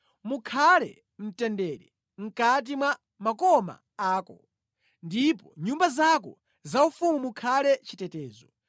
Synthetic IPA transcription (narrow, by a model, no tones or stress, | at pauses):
mukʰalɛ̰ | m̩tɛndɛɾɛ | ŋ̩kat̬imwa | makɔma̰ | aːkɔ | ndipɔɲumbazakɔ | zaufumumukʰalɛt͡ʃitɛtɛːzɔ